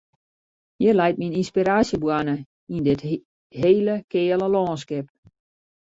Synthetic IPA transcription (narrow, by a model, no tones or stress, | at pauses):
jɪrlɛjt̚mininspiɾaːsjəbwanə | indɪt | ɦeːləkɪːələlɔːnskɪp̚